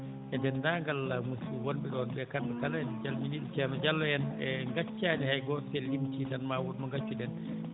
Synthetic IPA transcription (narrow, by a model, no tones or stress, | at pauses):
ʔɛndɛndaŋɡalamusuwonbiɗɔbɛkanbɛkalaɛnd͡ʒalminiɗit͡ʃɛnɔd͡ʒalːɔjɛnɛŋɡat͡ʃːaːnihajɡɔselːimtidanmawudmɔŋɡat͡ʃːudɛn